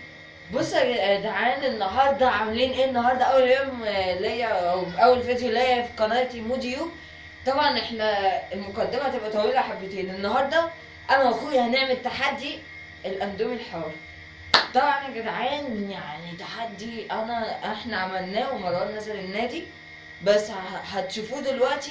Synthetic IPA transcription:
bosːɑɡd̪aʕaːnenːɑɦɑɾˤd̪ˤɑʕameliːnʔeːenːɑɦɑɾˤd̪ˤɑʔæwːæljoːmlæjːæʔæwʔæwːælfæd̪jolæjːæfi̥qɑnɑjt̪imuːd̪iju | t̪ˤɑbʕɑnʔeħnælmokæd̪ːemæt̪ebʔæt̪æwiːlæħabːet̪eːnʔenːɑɦɑɾˤd̪ˤɑ | ʔænæwæxuːʔihæneʕmelt̪aħad̪ːi | ʔelʔænd̪oːmelħawæːɾi | t̪ˤɑbʕɑʔnæɡed̪ʕæːnjaʕnit̪aħad̪ːiʔænæʔeħnæʕamælnæːwemæɾˤɑnæzælenːæːd̪i | bæsːɦæt̪ʃufuːd̪elwæʔt̪i

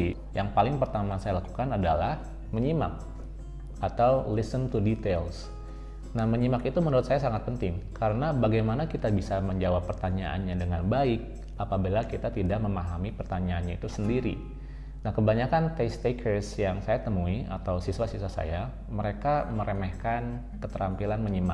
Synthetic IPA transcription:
i | jaŋpalɪŋpərt̪amasajalaku̥kanadalah | məɲima̰k̚ | at̪awlisənt̪udit̪els | nahməɲimakit̪umənuɾʊt̪̚sajasaŋat̪̚pənt̪ɪŋkaɾənabaɡajmanakit̪abisaməɲd͡ʒawapːərt̪aɲaʔa̰nɲadəŋanbaɪk̚ | apabilakit̪at̪idak̚məmaɦamipərt̪aɲaːnɲait̪usəndiɾḭ | nahkəbaɲakant̪est̪ekʰərsjaŋsajat̪əmuia̰t̪awsiswasiswasa̰ja | məɾekaməɾəmɛhkan | kət̪əɾampilanməɲima

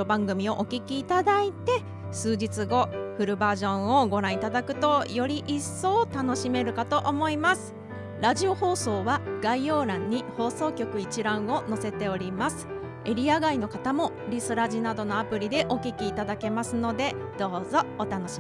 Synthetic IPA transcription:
obãŋɡɯ̟mʲio̞ʔokʲikʲiːt̪ad̪ait̪e̞ | sɨːʑit͡sɨɡo̞ɸɯ̟ɾɯ̟baːʑõ̞ɰ̃o̞ɡo̞ɾãɰ̃it̪ad̪akɯ̟̥t̪o̞jo̞ɾʲiʔisːo̞ːt̪ano̞ɕime̞ɾɯ̟kat̪o̞ʔomo̞imasɨ̥ | ɾaʑio̞ho̞ːso̞ːβaɡ̥aijo̞ːɾãɲ̟ːiho̞ːso̞ːkʲo̞kɯ̟it͡ɕiɾãɰ̃o̞no̞se̞t̪e̞o̞ɾʲimasɨ̥ | e̞ɾʲiaɡaino̞kat̪amo̞ | ɾʲisɨɾaʑinad̪o̞no̞apɯ̟ɾʲid̪e̞ʔo̞kʲikʲiːt̪ad̪ake̞masɨno̞d̪e̞ | d̪̥o̞ːzo̞ːt̪anoɕi

